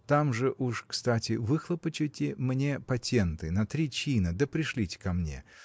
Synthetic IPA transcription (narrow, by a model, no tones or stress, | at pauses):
t̪amʐɨʔuʂkst̪atʲɪvɨxlˠəpət͡ɕɪtʲɪmnʲe̞pɐtʲent̪ɨnɐt̪ɾʲit͡ɕinəd̪əpɾʲɪʂlʲitʲɪ̥kɐmnʲe̞̰